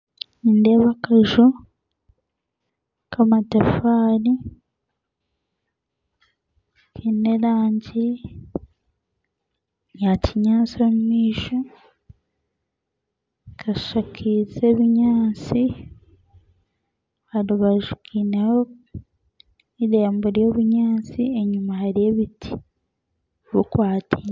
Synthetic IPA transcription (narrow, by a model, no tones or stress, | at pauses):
nindeβakaʒu | kʰamatafaːɾi | kineɾaːɲɟi | jacʰiɲaːt͡sommiːʃo | kʰaʃakʰizeβiɲaːt͡si | haɾuβaʒukʰineho | iɾe̞ːmboɾijoβuɲaːt͡sie̞ɲumahaɾijeβitʰi̥ | βukwaːti